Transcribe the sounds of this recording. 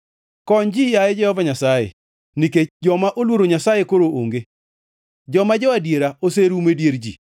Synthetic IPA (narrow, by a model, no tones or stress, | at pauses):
kɔnd͡ʒijajɛd͡ʒɛhɔvaɲasajḛ | niked͡ʒɔmaʔolwoɾoɲasajekoɾoʔoŋɡe | d͡ʒɔmad͡ʒɔadjeɾaoseɾumedjeɾd͡ʒḭ